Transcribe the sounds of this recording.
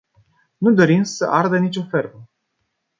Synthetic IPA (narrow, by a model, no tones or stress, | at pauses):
nud̪o̞ɾimsə̰ʔard̪ənit͡ʃʲo̞ferbə